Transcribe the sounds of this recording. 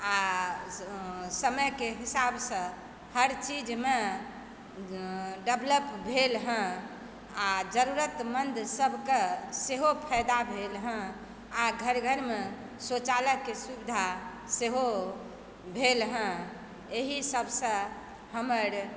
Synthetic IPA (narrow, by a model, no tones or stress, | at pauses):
a | səməjkeɦisabsə̃ | həɾt͡ʃid͡ʒme | ɖebʱləpbʱelɦə̃ | ad͡ʒəɾuɾət̪mənd̪ʱsəbʱkeseɦopʰɛjd̪abʱelɦə̃ | aɡʱəɾɡʱəɾme | sot͡ʃaləkːesubid̪ʱa | seɦo | bʱelɦə̃ | eɦisəbʱsə̃ | həməɾ